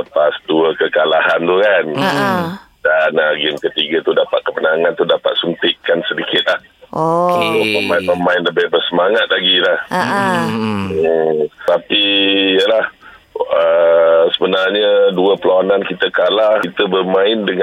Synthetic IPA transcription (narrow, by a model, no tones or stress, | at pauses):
əpasduəkəkalaɦant̪ukan | danaɡɪmkət̪iɡat̪udapa̰t̪̚kəpənaŋãnt̪udapa̰t̪̚sunt̪ɪʔkansədikɪt̪̚lah | loməmaɪnməmãɪnləbɪhbərsəmaŋat̪̚laɡilah | ət̪apijəlah | əsəbənarɲəduəpəlawanankit̪əkalaht̪əbərmãɪndəŋ